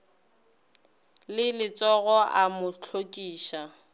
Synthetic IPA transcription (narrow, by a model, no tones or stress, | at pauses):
lɪlɪt͡sʼɔɣɔʔamʊt͡ɬʰokʼiːʃa